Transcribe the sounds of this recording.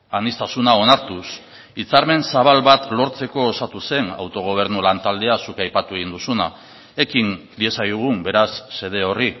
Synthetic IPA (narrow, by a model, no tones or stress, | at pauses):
anist̪asunao̞naɾt̪us | it͡saɾme̞nsaβalβat̪lo̞ɾt͡se̞ko̞ːsat̪use̞na̰wt̪o̞ɣ̞o̞β̞e̞ɾnulant̪ald̪e̞asukajpat̪ue̞ɣ̞ind̪usuna | e̞kind̪ie̞sajðuɣ̞umbe̞ɾasːe̞ð̞e̞o̞ri